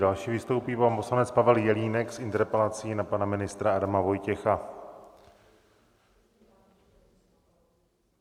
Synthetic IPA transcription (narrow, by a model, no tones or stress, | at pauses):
dalʃiːvɪst̪owpiːvamposlanɛt͡spavɛljɛliːnɛksʔɪnt̪ɛɾpɛlat͡siːnapanamɪnɪst̪ɾaadamavo̞jcɛxa